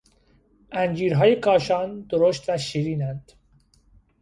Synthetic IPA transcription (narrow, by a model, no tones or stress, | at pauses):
ʔænd͡ʒiːɾɦɒːje̞kʰɒːʃɒːnd̪oɾoʃt̪væʃiːɾiːnænd̪̥